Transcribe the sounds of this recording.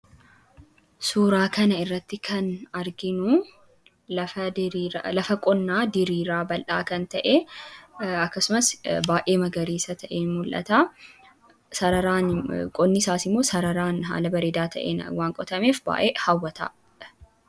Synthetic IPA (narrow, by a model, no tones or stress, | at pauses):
suːɾaːkɐnɐɪrːɐt̪ːɪkʰɐnɐɾɡɪnʊ | ɐɾlɐfɐkʼɔnːaːd̪ɪɾiːɾaːbɐlʔaːkɐnt̪ɐʔe | ɐkːɐsʊmɐsbaːʔe̞ːmɐɡɐɾiːsɐt̪ʰɐʔeːmʊlʔɐ̰t̪aː | sɐɾɐɾaːnkʼɔnːɪsaːsɪmːo̞ːsɐɾɐɾaːnɦa̰ːlɐbɐɾeːd̪aːt̪ʰɐ̰ʔḛːnɐ̰waːŋkʼɔt̪ɐme̞ːfba̰ːʔeːhɐwːɐt̪a̰ː